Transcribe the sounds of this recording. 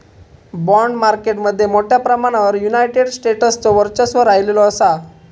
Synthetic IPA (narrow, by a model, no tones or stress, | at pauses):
bɔɳɖmaɾkeʈməd̪ʱːjemoʈʰjapɾəmaɽ̃aʋəɾjunajʈeɽsʈeʈəst͡sɔʋəɾt͡ɕəsʋəɾajlelɔəsa